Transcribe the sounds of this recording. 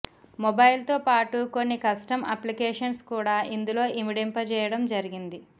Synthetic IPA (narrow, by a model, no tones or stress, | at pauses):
mɔbɐjlt̪oːpaːʈuko̞nːikɐsʈɐmɐplikɛːʂɐnskuːɽaːʔind̪ulo̞ːʔimiɖempɐt͡ʃɛːjɐɽɐmd͡ʒɐɾiɡind̪i